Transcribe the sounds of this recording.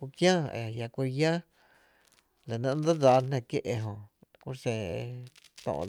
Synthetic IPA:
kʷu˧kjãː˦ḛ˧˨a˨ja˧kʷi˧ɾja˦ | la˨nã˧n˦d̪a˦d͡zaː˧n̥nẽ˧˨kje˦ʔe˧ɦõ˧kʷu˦sẽ˧˨e˧ | t̪õ̰ː˧˨˧

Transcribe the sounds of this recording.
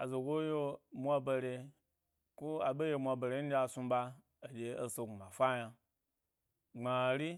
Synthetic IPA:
a˨zo˨ɡo˦jo˦mʷa˧ba˧ɾe˧ | ku˦a˨be˦je˧mʷa˧be˨ɾe˨˦n̩˦dʲa˨su˧baː˧˨ | dʲe˨o˧so˧˨ɡu˨ma˨fa˦ja˧ | ŋ͡ma˨ɾi˦

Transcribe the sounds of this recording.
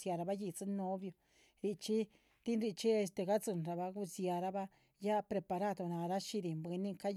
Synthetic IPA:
sja˧ɾa˧βa˦ji˧˨t͡sɨ˦nõ˦βjo˧ | ɾi˧t͡ʃi˦ | t̪i˦nɾi˧ʔt͡ʃi˦e˧st̪e˧ɣa˦t͡sɨ˧nɾa˧βa˧ku˧sja˧ɾa˦βa˦ | ja˦˧pɾe˧pa˧ɾa˦˨d̪o˧˨nã˧ɾa˦ʃi˧di˧˨mbi˧nĩ˦ka˦

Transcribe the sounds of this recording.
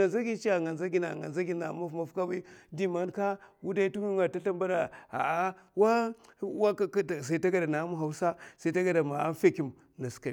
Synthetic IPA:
na˨za˦ɡi˦t͡ʃi˦a˨ŋɡa˨nza˦ɡi˦na̰˨ŋɡa̰˨nza˦ɡi˦na̰˨ma˦fma˦fka˦ba˦i˦di˨ma˦nka˦wu˦da˦i˦tu˦ŋi˦ŋa˨ta˦ɬa˦mba˦da˨a̰˨a˦wa˦ | wa˦a˨sa˨i˦ta˦ɡa˦da˨na˨˦mu˦ɦa˨u˦sa˦sa˨i˦ta˦ɡa˦da˨ma˨a̰˦fe˦ki˨m | na˨ska˨

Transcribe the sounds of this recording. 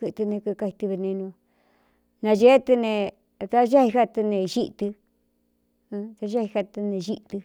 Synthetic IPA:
kɨ˧t̪ɨ˧nẽ˧kɨ˧ka˧i˧t̪ɨ˧βe˧nẽ˧nũ˧a˧ | nã˧ʒe˦t̪ɨ˧nẽ˧ | t̪a˦ʒa˦hi˧ha˦t̪ɨ˧nẽ˧˨ʒi˦ʔt̪ɨ˧ | t̪a˧ʒa˦hi˧ha˧t̪ɨ˧nẽ˨ʒi˦˧t̪ɨ˧

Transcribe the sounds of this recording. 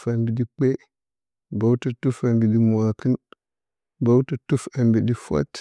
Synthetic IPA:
fa˨mbi˨di˦k͡pe˦ | ba˨wta˨tu˦fa˨mbi˨di˦mu˨a˨kə˦n | ba˦u˦ta˨tu˦fa˨mbi˨di˦fa̰˦t

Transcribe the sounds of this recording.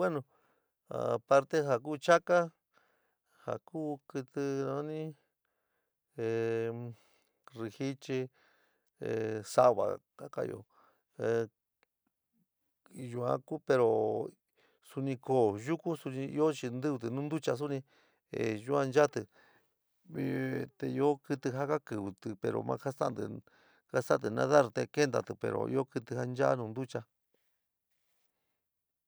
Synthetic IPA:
we˦nõ˧ | a̰˨pa˧ɾt̪e˦ɦa˨k̬uː˦t͡ʃa˦ka˦ | ha̰˨kuː˦kɨ˧t̪ɨ˧nã˧˦nĩ˦ | e˨ | ri˧hi˦t͡ʃi˧ | e˨sa˧βa̰˨ka˦ka̰˧jo̰˧ | ju˧a̰˧ku˦pe˧ɾo˨ | su˧nĩ˧ko˨ʒu˦ku˦su˧nĩ˧ḭ˦o˦t͡ʃi˧nd̪ɨ˦βt̪ɨ˧nũː˦nd̪u˦t͡ʃa˧s̬u˦nĩ˧ | e˨ʒu˦ã˧nd͡ʒa˦t̪ɨ˨ | t̪e˧i˧o˦kɨ˧t̪ɨ˧ɦa˦ka˦kɨ˨βɨ˧t̪ɨ˧pḛ˧ɾo̰˨mã̰˧ka˦sa̰˦˧nd̪ɨ̰˨ | ka˦sa˦˧t̪̬ɨ˨nã̰˧˦ða˦ɾt̪e˧ke˦nd̪a̰˧t̪ɨ˨pḛ˨ɾo̰˨ʔḭ˦o˦kɨ˧t̪ɨ˧ha˦nd͡ʒa˦nũ˧nd̪u˦t͡ʃa˧

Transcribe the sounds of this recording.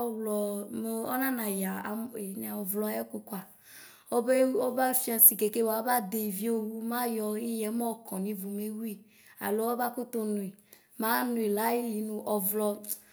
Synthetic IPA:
ɔ˦wlɔ˨mo˨ɔ˦nã˦nã˨ja˨a˨me˨n˦a˨ɔ˨vlɔ˧˦a˨˦ɛ˦ku˨˧kʷa˨ | o˦be˦o˦ba˦fi˦ã˧˨si˨ke˨ke˦wa˨˦ba˦de˧i˨vi˨˦o˦wu˦mã˦jɔ˧i˦jɛ˨˦mɔ˦˨kɔ̃˨nĩ˧vu˨me˨˦wi˦ | a̰˨lo˨˦ɔ˦ba˦ko˦to˧nũ˨i˨ | mã˨˦nũ˨i˨la˦i˦li˨nũ˧ʔɔ˨vlɔ˧

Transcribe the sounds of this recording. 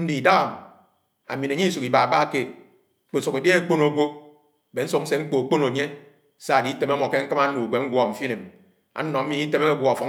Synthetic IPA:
n̩˦di˨da˦ɣa˨m | a̰˨mi˨ne˨ɲi˦su˨ki˨ba˨a˨ba˦ke˦ | k͡po˨su˨ke˨de˦e˦k͡po˦no˨ɡʷo˦˨ | be˨n̩˦su˨k̚n̩˦se˦ŋ͡m̩˦k͡po˨k͡po˦no˨ɲe˦ | sa˦a˨di˨˦te˨ma˦mɔ˨ke˦ŋ̩˦kɨ˦ma˦u˨ɡʷe˨˦ŋ̩˦ɡʷɔ˨m̩˨fi˦ne˨m | a̰˨˦nɔ˨m̩˦mi˨˦i˦te˦me˦a˦ɡʷɔ˨fɔ˨˦

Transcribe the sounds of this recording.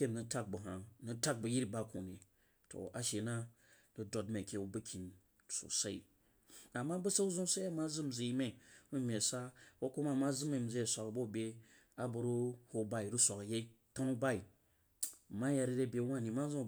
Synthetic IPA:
e˦mnɨ˨ta˦k̚bu˨ɦa˨nɨ˦ta˦k̚bɨ˨ji˦ɾba˦ku˨ni˨ | to̰˨a˨ʃe˨na˦ | ɾɨ˦do˨tme˨kʲe˦u˦bɨ˦kʰʲi˨n˨ | so̰˨sa˦ḭ˨ | a˨mːa˦bu˦sa˦u˦zũ˦sa˦a˦ma˦zɨ˦m̩˨d͡zi˨ji˦me˦u˦mʲe˨sa˦wo˦ku˦ma˦˨ma˦zɨ˦me˨m̩˨zi˦e˨sʷa˨kbo˦˨bʲe˦ | a˨bu˨ɾu˦ho˨ba˦i˨ɾu˦sʷa˨kje˦ | ta˦nu˦ba˦i˨ | ma˦ja˨ɾi˦ɾe˦˨bʲe˨˦wa˦˨ni˨ma˦zõ˦˨

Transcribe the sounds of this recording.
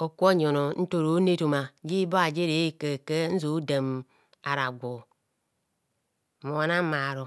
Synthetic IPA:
o˨kʷo˦ɲo˨no˨n̩˦to˨ɾo˨˦ne˦to˨ma˨d͡ʒi˦ba˦a˨d͡ʒe˦ɾe˨˦ke˨ke˦n̩˦zo˨˦de˨m | a˨ɾa˨ɡʷo˨ | mo˨a˨na˦ma˨ɾo˨

